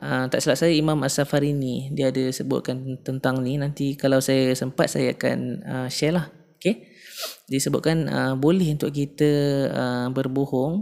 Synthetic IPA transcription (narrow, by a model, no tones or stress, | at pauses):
ʔəmt̪aʔsəlaʔsajaimamasafaɾinidiəːdəsəbʊ̰ʔ̪̚kant̪ənt̪aŋninant̪ikalawsajasəmpat̪̚sa̰jaaka̰nəʃalah | oke | disəbʊʔ̪̚kanə̰bolɛɦunt̪ʊʔ̚kit̪əəbərbohɔŋ